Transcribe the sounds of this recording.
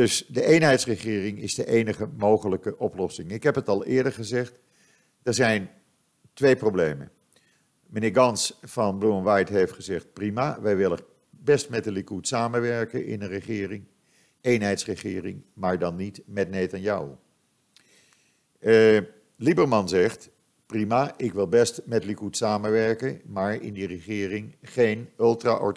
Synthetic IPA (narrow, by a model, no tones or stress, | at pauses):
dɵsdəʔejnɦɛjtsrəχɪːrɪŋɪzdəʔejnəχəmowχələkəʔɔplɔsɪŋɪkɦɛpətɑlˠɪːɹdəɹχəzɛχt | d̥əɹzɛjn | tʋejprowblejmə̰ | mənɪːɹɡɑnsfɑnbluənʋɑjtɦejftχəzɛχt̚primaʋɛjʋɪlə | bɛstmɛtəlikutsaːməʋɛɹkəɪ̰nənrəχɪːrɪŋ | ejnɦɛjtsrəχɪ̰ːrɪŋmaːɹdɑnːitmɛtnejtɑnjʌw | libəɹmɑnzɛχt | primaːʔɪkʋɪlˠbɛstmɛtlikutsaːmənʋɛɹkənmaːɹɪ̰ndirəχɪːrɪŋχejnɵlˠtra̰ʔɔ̰